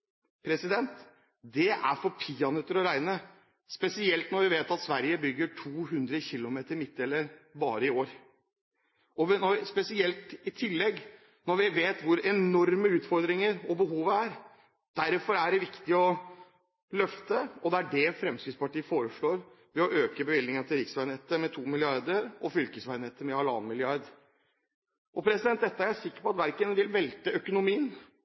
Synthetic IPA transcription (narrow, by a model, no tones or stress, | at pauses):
pʰɾɛsɪd̪ɛnt̪ | d̪ɛʔæ̰ɾfɔɾpʰɪɑnɛt̪əɾɔɾæɪnə | spɛsɪɛlt̪nɔɾʋɪʋeːt̪ɑt̪sʋæɾjəbʏɡːəʈʰuːɦʉnd̪ɾəçɪlːʊmeːt̪əɾmɪt̪ːɛlːəɾbɑːɾəɪoːɾ | ɔʋnɔspɛsɪɛlt̪ɪt̪ʰɪlːɛɡː | nɔɾʋɪʋeːt̪ʋʊɾɛnɔɾməʉːt̪fɔɾd̪ɾɪŋəɾɔbəɦuːʋəæɾ | d̪̥æɾfɔɾæɖɛʋɪkt̪ɪɔ | lœft̪əɔd̪ɛæɖɛfɾɛmskɪspɑʈiːəfoːɾəʂɭoːɾ | ʋɛɔʔøːkəbəʋɪld̪ɪŋənt̪ʰɪlɾɪksʋæɪnɛt̪ːəmɛt̪ʰuːmɪlɪɑɾd̪əɾʔɔfʏlkəsʋæɪnɛt̪ːəmɛɑlɑ̰ːnmɪlɪɑɾd̪ | ʔɔpʰɾɛsɪd̪ɛnt̪d̪ɛt̪ːəæɾæʂɪkːəɾpɔɑt̪ʋæɾkənʋɪlʋɛlt̪əœkʊnʊmiːən